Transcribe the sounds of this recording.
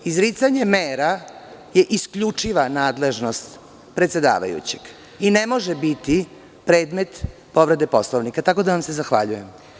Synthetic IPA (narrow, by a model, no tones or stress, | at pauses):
izɾit̪saɲe̞meːɾaje̞ʔiskʎut͡ʂiʋanaːd̪le̞ʒno̞st̪ | pɾet̪se̞d̪a̰ːʋa̰jṵt͡ɕe̞ɡ̥ | ine̞mo̞ʒebit̪i | pɾeːd̪me̞t̪ | po̞ʋɾe̞d̪epo̞slˠoʋnikat̪ako̞d̪aʋamse̞zaxʋa̰ʎujem